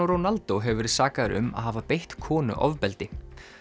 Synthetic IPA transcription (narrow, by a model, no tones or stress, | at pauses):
oɾownalt̪oɦɛvvɛɾɪɾsaːkaðɾʏ̰ma̰ðɦaːvapejht̪kʰɔːnʏ̰ʔɔ̰vpɛlt̪ɪ